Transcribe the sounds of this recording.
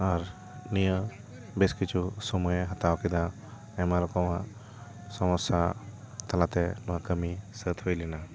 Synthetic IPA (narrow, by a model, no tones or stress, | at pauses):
aɾ | nijə | beskit͡ʃʰusɔmujeɦat̪awkid̪a | ɛmaɾɔkɔwa | sɔmɔsa | t̪alat̪ɛnɔwakəmisət̪hojlɛna